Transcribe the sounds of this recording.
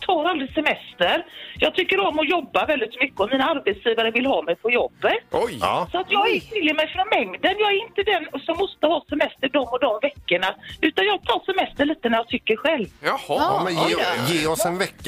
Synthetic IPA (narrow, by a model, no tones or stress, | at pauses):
t̪ʰɑːɾald̪ɾɪsɛmɛst̪əɾjɑːɡt̪ʰʏkːəɾɔmːɔjɔbːavɛld̪ɪt̪mʏkːəɔmiːnaaɾbɛt̪sjiːvaɾəvɪlɦɑːmɛjpʰɔjɔbːət̪ɔjsɔat̪jɑːɡɛt̪ʰɪljəmɛjfɾɔnmɛŋd̪ənjɑːɡæɾɪnt̪əd̪ɛnsɔmːɔst̪əhɑːsɛmɛst̪əɖɔmːɔd̪ɔmvɛkːəɳaʉ̟ːt̪anjɑːɡ̚t̪ʰɑːʂɛmɛst̪əɭiːt̪ənæɾjɑt̪ʰʏkːəɾɧɛlvhmːjeːɔsɛnvɛkː